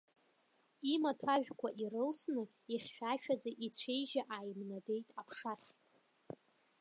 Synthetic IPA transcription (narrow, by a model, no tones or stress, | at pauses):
imatʰaʒᶣkʷʰaʔirɨlsnɨ | iχʲːᶣaʃᶣad͡zaʔit͡sʷʰe̞jʒaʔajmnade̞jtʼapʰʂaχʲ